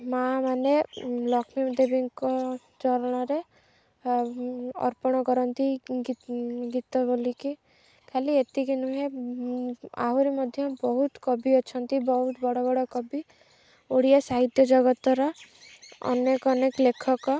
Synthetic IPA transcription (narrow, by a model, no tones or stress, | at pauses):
mamanelɔkʰmimd̪ebiŋkɔ | t͡ʃɔɾɔɽ̃ɔɾe | ɔ̰ɾpɔɽ̃ɔkɔɾɔnt̪iɡɡit̪ɔboliki | kʰaliet̪iɡinuɦe | a̰ɦuɾimɔd̪ʱjɔbɔɦut̪kɔbiɔt͡ʃʰɔnt̪ibɔɦut̪ɔbɔɽɔbɔɽɔkɔbi | oɽiasaɦit̪jɔd͡ʒɔɡɔt̪ɔɾɔ | ɔ̰nekɔnekɔlekʰɔkɔ